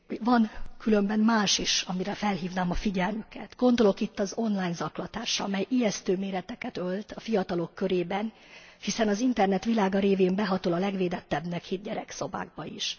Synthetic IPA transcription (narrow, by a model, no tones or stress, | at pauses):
vɒnkylø̞mbɛnmaːʃiʃɒmiɾɛfɛlɦiːvnaːmɒfiɟɛlmykɛ̰t̪ɡo̞nd̪o̞lo̞kit̪ːɒzo̞nlaːjnzɒklɒt̪aːʃɒ̰mɛjʔijɛst̪øːmeːɾɛt̪ɛkɛt̪ø̞lt̪ɒfijɒt̪ɒlo̞kːø̞ɾeːbɛn | hisɛnɒzint̪ɛrnɛt̪ʋilaːɡɒɾeːveːmbɛɦɒt̪olɒlɛɡʋeːd̪ɛt̪ːɛbnɛkhid̪̚ɟɛɾɛkso̞ba̰ːɡ̚bɒiʃ